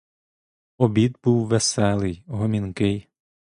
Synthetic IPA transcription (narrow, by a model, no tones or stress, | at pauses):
ɔbʲid̪buwʋesɛlˠɪjɦɔmʲinkɪj